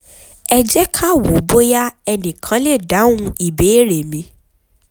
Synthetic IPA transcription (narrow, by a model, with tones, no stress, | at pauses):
ɛ˧d͡ʒɛ˦kʰa˦wo˨bo˦ja˦ɛ˧nĩ˨kʰã˨˦le˦˨da˨˦wũ˧i˦˨be˨˦ɾe˨mĩ˨˧˦